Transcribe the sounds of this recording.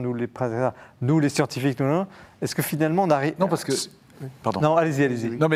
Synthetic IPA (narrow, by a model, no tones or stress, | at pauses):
nulepχɛ̃sɛkst̪anulesjɑ̃t̪ifik̚nunɔ̃ɛskəfinalmɑ̃naʁijnɔ̃paʁsə̥kə | paʁd̪ɔ̰̃nɔ̃alezialezinɔ̃mɛ